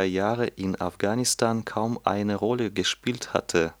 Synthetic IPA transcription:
jaːʁəʔɪna̰fɡ̥aːnɪstaːnkʰaʊmʔa̰ɪnəʁɔləɡəʃpiːltha̰tʰə

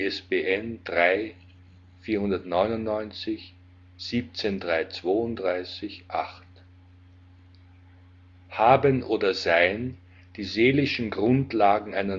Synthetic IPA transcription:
ɛsbeːʔɛndʁaɪ | fiːɐhʊndɐtnɔʏnʊnnɔʏnt͡sɪç | z̥iːp̚t͡sendʁaɪt͡sv̥oːʊntdʁaɪsɪçʔaχt | haːbənʔoːdɐzaɪən | d̥iːzeːlɪʃn̩ɡʁʊntlaːɡŋ̩aɪnɐ

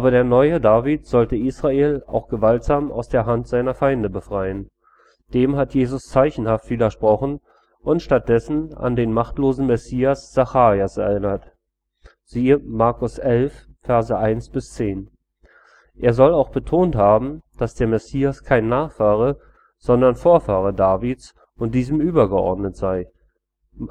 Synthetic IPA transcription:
ʔaːbɐɾeːɐnɔʏədaːvitz̥ɔltəʔiːsʁ̥aeːla̰ʊxɡ̥əvaltz̥aːma̰ʊsd̥eːɐɦantz̥aɪnɐfaɪndəbəfʁ̥aɪən | d̥eːmɦatjeːzʊst͡saɪçn̩haftfiːlɐʃpʁ̥ɔχn̩ | ʔʊntʃtat̚d̥ɛsn̩a̰ndeːnmaχtloːzn̩mɛsiːasz̥axaːʁiasɛ̰ɐɪnɐt | z̥iːəmaɐkʊsʔɛlffɛɐzəʔaɪnsb̥ɪst͡seːn | ʔeːɐzɔlaʊxb̥ətʰoːnthaːbm̩d̥asd̥eːɐmɛsiːaskʰaɪnːaːχfaːʁə | z̥ɔndɐnfoːɐfaːʁədaːvit͡s | ʔʊnt̚d̥iːzm̩ʔyːbɐɡəʔɔ̰ɐdnətz̥aɪ

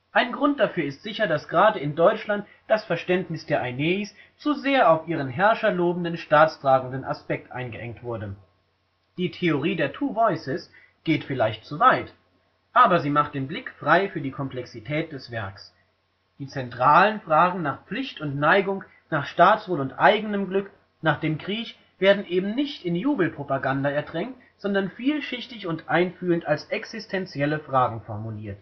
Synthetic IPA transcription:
ʔaɪnɡʁʊnt̚d̥afyːɐɪstz̥ɪçɐdasɡ̥əʁaːdəɪndɔʏt͡ʃlant | d̥asfɛɐʃtɛntnɪsd̥eːɐʔaneːs | t͡suzeːɐaʊfʔiːʁ̞ənɦɛɐʃɐloːbn̩dənʃtaːt͡stʁ̥aːɡŋ̩dənʔa̰spɛk̚tʔa̰ɪnɡəʔɛ̰ŋktv̥ʊɐdə | d̥iːtʰeoʁ̞iːdeːɐtʰuːvɔʏsɪs | ɡ̥eːtfɪlaɪçt̚t͡suvaɪt | ʔaːbɐziːmaχt̚d̥eːnblɪkfʁ̥aɪfyːɐdiːkʰɔmplɛksitʰɛːt̚d̥ɛsv̥ɛɐks | d̥iːt͡sɛntʁ̥aːlənfʁ̥aːɡŋ̩naːχp͡flɪçtʊntnaɪɡʊŋ | naːχʃtaːt͡sv̥oːlʊntʔaɪɡənəmɡlʏk | naːχd̥eːmkʁ̥iːç | v̥eːɐdn̩ʔeːbm̩nɪçtɪnjuːbl̩pʁ̥opaɡandaɛɐdʁɛŋt | z̥ɔndɐnfiːlʃɪçtɪçʊntʔaɪnfyːləntalsʔɛksɪstʰɛnt͡sjɛləfʁ̥aːɡŋ̩fɔɐmuliːɐt

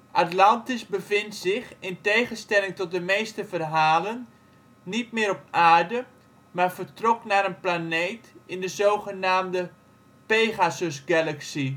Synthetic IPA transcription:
ʔatlɑntɪsbəvɪntsɪxɪntejχənstɛlɪŋtɔt̚dəmeːstəvərɦaːlənː | it̚mɪːɾɔp̚ʔaːɹdə | maːɹvəɹtrɔknaːɾənplaneːtɪndəzoːχənaːmdə | peːɣasʏsɡɛlaksi

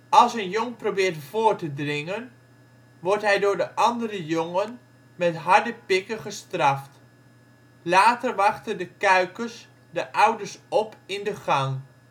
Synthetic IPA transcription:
ɑlˠsənjoŋprobɪːɹtv̥oːɹtədrɪŋən | ʋɔɹtɦɛjdʊːɹdəʔɑndəɾəjɔŋən | mɛtɦɑɹdəpɪkəχəstrɑft | laːtərʋɑχtəndəkœɥkəs | dəʔʌwdəɹsɔpɪndəɣɑŋ

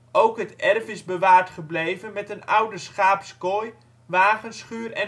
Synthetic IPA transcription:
owkɦətɛrfɪzbəʋaːɹtχəblejvənmɛtənʌwdəsχaːpskoj | ʋaːχənsχyːrɛ

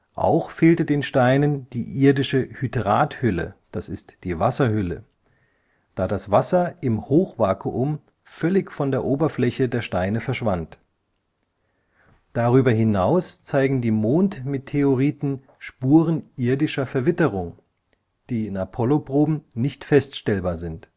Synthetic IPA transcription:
ʔa̰ʊxfeːltədeːnʃtaɪnənd̥iːʔɪɐdɪʃəhytʁaːthʏlə̰d̥asɪstd̥iːvasɐhʏlə | d̥aːdasv̥asɐʔɪmhoːxv̥aɐkʰoʔʊm | fœlɪçfɔndeːɐʔoːbɐflɛçədeːɐʃtaɪnəfɛɐʃv̥ant | d̥aʁyːbɐɦɪnaʊst͡saɪɡŋ̩diːmoːntmɪtʰːeoʁiːtn̩ | ʃpuːʁənʔɪɐdɪʃɐfɛɐvɪtəʁ̞ʊŋ | d̥iːɪnapʰɔlopʁ̥oːbm̩nɪçtfɛstʃtɛlbaːɐzɪnt

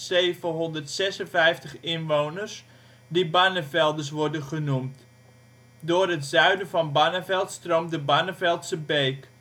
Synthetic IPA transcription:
seːvəɦɔndərtsɛsənfɛjftəχɪnʋownərs | dibanəfɛlˠdəs̬ʋɔɹdənχənumt | dʊːrɦətzœɥdəvɑnbanəvɛlˠtstromdəbanəfɛlˠtsəbeːk

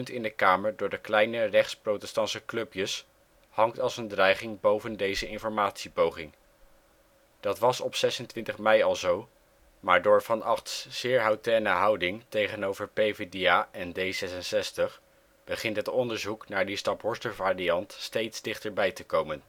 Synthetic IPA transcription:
ntɪndəkaːməɹdʊːɹdəklɛjnərɛχtsprotɛstɑnsəklɵpjəs | hɑŋktɑlˠsəndrɛjχɪŋbowvəndejzəɪnfɔɹmaːtsipowχɪŋ | d̥ɑtʋɑsɔpsɛsəntʋɪntəχmɛjɑlˠzow | maːɹdʊːɹvɑnɑχtsz̥ɪːɹɦawtɛːnəɦɑwdɪŋtejχənowvəɹpejvediaʔɛndejzɛsənsɛstəχ | b̥əχɪntɦətɔndəɹzuknaːɹdistɑpɦɔɹstəvaːriɑntstejtzdɪχtəɹbɛjtəkowmən

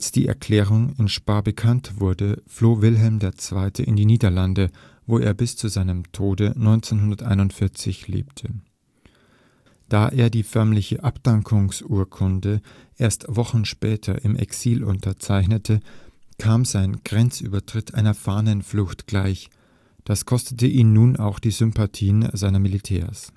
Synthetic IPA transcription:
alsd̥ḭːɛ̰ɐkʰl̥ɛːʁ̞ʊŋɪnʃpaːbəkʰantv̥ʊɐdəfloːvɪlɦɛlmdeːɐt͡sv̥aɪtʰəʔɪndiːniːdɐlandə | voːʔḛːɐbɪst͡suzaɪnəmtʰoːdənɔʏnt͡seːnɦʊndɐtʔa̰ɪnʊntfɪɐt͡sɪçlḛːptʰə | d̥aːʔeːɐdiːfœɐmlɪçəʔapd̥aŋkʰʊŋsʔuːɐkʰʊndə | ʔeːɐstv̥ɔχn̩ʃpɛːtʰɐ̰ʔɪmʔɛ̰ksiːlʔʊ̰ntʰɐt͡saɪçnətʰəkʰaːmzaɪnɡ̥ʁɛnt͡sʔy̰ːbɐtʁ̥ɪtʰʔaɪnɐfaːnənflʊxtɡ̥laɪç | d̥askʰɔstətəʔiːmnuːna̰ʊxd̥iːzʏmpatʰiːənzaɪnɐmilitʰɛ̰ːɐs

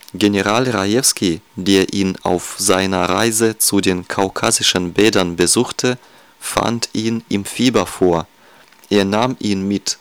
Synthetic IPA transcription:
ɡeneʁaːlʁajɛfskideːɐʔiːna̰ʊfz̥aɪnɐʁa̰ɪzət͡sudeːnkʰaʊkʰaːzɪʃənbɛːdɐnbəzuːxtʰə | fa̰ntʔiːnʔɪmfiːbɐfoːɐ | ʔeːɐnaːmʔiːnmɪt

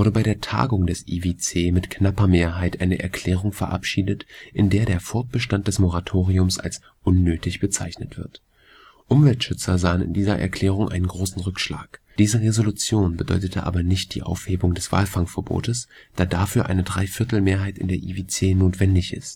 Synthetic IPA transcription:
vʊɐdəbaɪɾeːɐtʰa̰ːɡʊŋdɛsʔḭvet͡seːmɪtknapɐmeːɐɦaɪtʔaɪnəʔɛ̰ɐkʰl̥ɛːʁ̞ʊŋfɛɐʔa̰pʃiːdətʔɪndeːɐɾeːɐfɔɐt̚b̥əʃtant̚d̥ɛsmoʁatʰoːʁiʊmsa̰ls | ʔʊnːøːtɪçb̥ət͡saɪçnətv̥ɪɐt | ʔʔʊmvɛltʃʏt͡sɐzaːənɪ̰ndiːzɐʔɛ̰ɐkʰl̥ɛːʁ̞ʊŋʔa̰ɪnənɡʁoːsn̩ʁʏkʃla̰ːkd̥iːzəʁezolut͡sjoːnbədɔ̰ʏtətʰəʔa̰ːbɐnɪçt̚d̥ḭːʔa̰ʊfheːbʊŋdɛsv̥a̰ːlfaŋfɛɐbo̰ːtəs | d̥aːdaːfyːɐʔa̰ɪnədʁaɪfɪɐtl̩meːɐɦaɪtɪ̰ndeːɐʔiːveːt͡seːnoːtv̥ɛndɪçɪ̰st

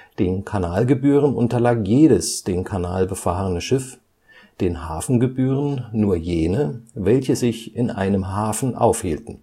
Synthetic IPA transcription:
d̥eːnkʰanaːlɡəbyːʁ̞ənʔʊ̰ntɐlaːkjeːɾəsd̥eːnkʰanaːlbəfaːʁənəʃɪf | d̥eːnhaːfn̩ɡəbyːʁənːuːɐjeːnəvɛlçəzɪçɪnʔa̰ɪnəmɦaːfn̩ʔa̰ʊfhiːltn̩

